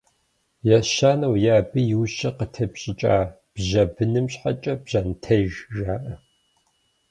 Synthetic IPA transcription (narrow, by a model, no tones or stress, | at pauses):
jaʃaːnɐwjaːbɨjɪwɕɐqətʰɐpɕʼɪt͡ʃʼaː | b̥ʑɐbɨnɨmɕħa̰t͡ʃʼɐbʑantʰɐʒʒaːʔɐ